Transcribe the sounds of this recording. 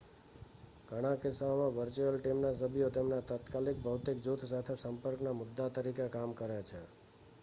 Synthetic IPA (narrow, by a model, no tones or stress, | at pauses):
ɡʱəɽ̃ãkɪsaomãʋəɾt͡ʃuəlʈimnas̬əbʱijot̪emnat̪at̪kalik̚bʱəwt̪ikd͡ʒut̪ʰsat̪ʰesəmpəɾknamʊd̪ːat̪əɾikekamkəɾet͡ʃʰe